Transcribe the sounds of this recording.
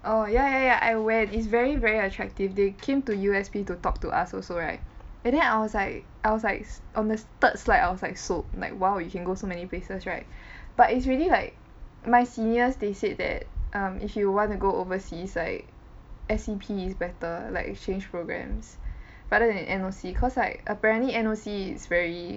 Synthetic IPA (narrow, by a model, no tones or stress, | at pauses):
ʔojajajaʔa̰ɪwɛ̃ntɪtsvɛɹivɛɹiətʰɹɛk̚tivdekʰẽmtujuɛspitutɔk̚tuʔa̰sɔsoɹaɪt̚ɛ̃ndɛ̃naɪwɔslaɪk̚ | ʔaɪwɔslaɪk̚sʔɔ̃ndəst̪ət̚slaɪda̰ɪwɔslaɪksop̚la̰ɪkwaʊjukɛ̃nɡosomɛniplesəsɹaɪt̚b̥atitsɹililaɪk̚ | maɪsĩnəsdesed̚dɛ̰t̚ʔʌ̃mʔḭfjuwɔ̃ntuɡoovəsislaɪk̚ | ɛsipʰiɪsbɛtəlaɪkt͡ʃẽnd͡ʒpɹoɡɹɛ̰̃ms | ɹadədɛɛ̃nʔɛ̃nosikʰɔslaɪkəpɛɹə̃ntliɛ̃nosiɪ̰tsvɛɹi